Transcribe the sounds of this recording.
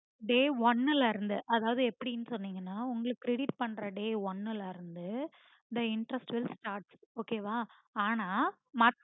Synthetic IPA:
ɖeːʋɐnːɪlɐɪɾɯnd̪ɯʔɐðaːʋɐðɯɛpːɐɽinːɯsɔnːiːŋɡɐnːaːʊŋɡɐɭɯkːɾɛɽɪʈ̚pɐɳːɾɐɖeːʋɔnːɪlaɪɾɯnd̪ɯ | d̪ɐɪɳʈɾɐsʈʋɪlsʈaːɾʈsoːkeːʋaː | aːnaː | mɐ

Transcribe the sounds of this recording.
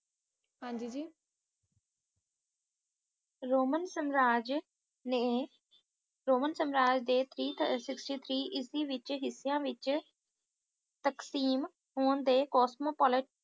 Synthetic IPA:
ɦãːɲd͡ʒiːd͡ʒiː | ɾoːmənsəmɾaːd͡ʒ | ne | ɾoːmənsəmɾaːd͡ʒd̪eːt̪ʰɾiːt̪sɪksʈiːt̪ʰɾiːʔɪsiːʋɪt͡ʃɦɪsːjãːʋɪt͡ʃ | t̪əksiːm | ɦoːnd̪eːkɔːsmoːpɔːlɪʈ

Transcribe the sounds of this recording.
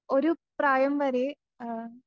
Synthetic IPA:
oɾupraːjɐmʋɐɾe

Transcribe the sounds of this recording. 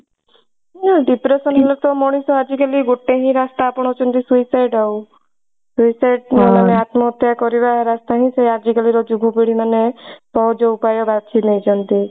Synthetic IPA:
ɔɖipɾesɔnɦɔlɔt̪ɔmɔɽ̃isɔad͡ʒikaliɡoʈːeɦĩɾast̪aːpɔɽ̃ɔt͡ʃʰɔnt̪isuisajɖau | suisajɖmemaneat̪mɔːt̪jakɔɾiβaɾast̪aɦĩsead͡ʒikaliɾɔd͡ʒubʱubiɽ̤imanet̪ɔd͡ʒɔupajɔbad̪̚t͡ʃʰinejd͡ʒɔnt̪i

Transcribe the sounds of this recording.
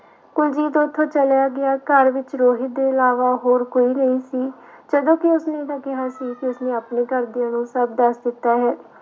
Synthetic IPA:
kʊld͡ʒiːt̪õːt̪ʰːõːt͡ʃəljaːɡɪaːkəɾʋɪt͡ʃɾoːɦɪt̪̚d̪eːɪlaːʋaːɦoːɾkoːiːnəĩːsiː | d͡ʒəd̪õːkɪʊsnẽd̪əkɪɦaːsiːkɪʊsneːəpneːkəɾd̪ɪjãːnũːsəbd̪əsd̪ɪt̪ːaːɦɛː

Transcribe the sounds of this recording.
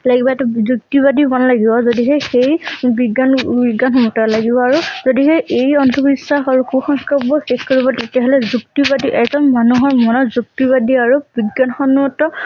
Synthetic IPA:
laɡibɔɛtuzuk̚tiβadibɔnalaɡibɔzodiɦexejbiɡanbiɡːanxɔmɔtɔlaɡibɔaɹuzodiɦeejɔntʰubisːaxaɹuxuxɔŋkabɔxexkoɹibɔtetiaɦɔlɛzuktibadiʔɛzɔnmanuɦɔɹmɔnɔzuk̚tiβadiaɹubiɡːanxɔnɔtɔ

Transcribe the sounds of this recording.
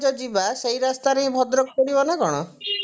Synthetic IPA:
d͡ʒɔd͡ʒibasejɾast̪aɾeĩbʱɔd̪ɾɔk̚kɔɽibɔnakɔɽ̃ɔ

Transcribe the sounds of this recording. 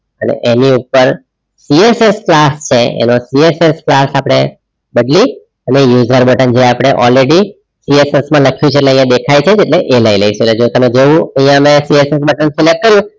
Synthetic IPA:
ənḛʔeniupəɾ | siesesklast͡ʃʰeḛnosiesesklasapɽ̃e | bəd̪li | ənejud͡ʒəɾbəʈənd͡ʒeapɽ̃eʔɔlɾeɽi | siesesmãləkʰjũt͡ʃʰeʈleə̃j̃ãd̪ekʰajt͡ʃʰed͡ʒeʈleʔeləiləiʃeeled͡ʒot̪əmed͡ʒeʋũə̃j̃jãmesiesesbəʈənt̪ʰilək̚kːəɾjũ

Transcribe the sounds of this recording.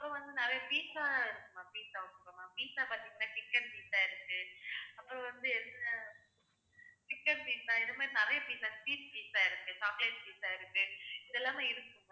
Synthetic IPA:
ɐpːɯɾõʋɐnd̪ɯnɪɾɐjɐpiːsaːɪɾɯkːɯmaːpiːsaːʊɽɯkːɐmaːpiːsaːpɐɾt̪ːɪŋːɐnːaːkɪkːɐnpiːsaːɪɾɯkːɯɐpːɯɾɔ̃ʋɐnd̪ɯɛnːɐ | kɪkːɐnbiːsaːɪðɯmaːɾinɪɾɐjɐpiːsaːspiːspiːsaːɪɾɯkːɯsaːkleːspiːsaːɪɾɯkːɯɪðɛlːaːmeːɪɾɯkːɯm

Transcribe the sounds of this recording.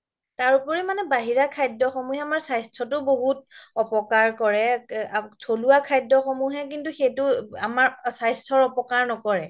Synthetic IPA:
taɹupɔɹimanɛbaɦiɹakʰajdɔxɔmuɦɛamaɹsajstʰɔtʊboɦut̚ɔpɔkaɹkɔɹɛ | tʰoluwakʰajdɔxɔmuɦɛk̬intuxejtʊamaɹsajstʰɔɹɔpɔkaɹnɔkɔɹɛ

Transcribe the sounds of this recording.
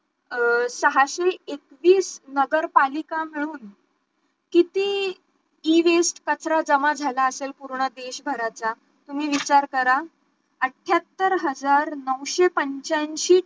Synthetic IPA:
səɦaɕeekʋiːsnəɡəɾpalikamiɭuːn | kit̪iː | ʋesʈkət͡sɾad͡zəmad͡zʱalaəselpuɾɳəd̪eɕbʱəɾat͡sa | t̪um̤iːʋit͡ɕaɾkəɾa | əʈʰjat̪ːəɾɦəd͡zaɾnəwɕepəɲt͡ɕãnɕiː

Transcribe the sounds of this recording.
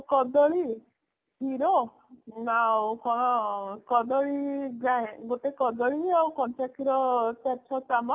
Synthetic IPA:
kɔd̪ɔɭi | pʰiɾɔ | awkɔɽ̃ɔkɔd̪ɔɭiɡaẽɡot̪ekɔd̪ɔɭiawkɔnt͡ʃakʰiɾɔtat͡ʃʰɔt͡ʃama

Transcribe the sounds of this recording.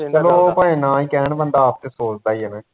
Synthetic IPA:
t͡ʃəloːpãːẽːnãːĩːkɛːɳbənd̪aːp̚t̪eːsoːt͡ʃd̪aːiemɛ̃ː

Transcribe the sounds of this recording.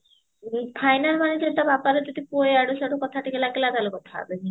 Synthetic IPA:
pʰajnalmanised̪abapaɾeod̪ipoeaɽoʃaʈokɔt̪ʰaʈikelakelad̪alokɔt̪ʰaa̰beni

